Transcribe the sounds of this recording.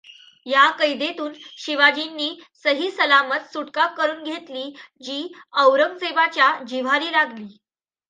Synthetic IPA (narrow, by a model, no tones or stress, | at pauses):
jakəjd̪et̪uːnɕiʋad͡ʑinːiːsəɦiːsəlamət̪suʈkak̚kːəɾuːnɡʱet̪liːd͡ʑiːəwɾəŋɡseʋat͡ɕjad͡ʑiʋ̤aɾiːɾaɡʱliː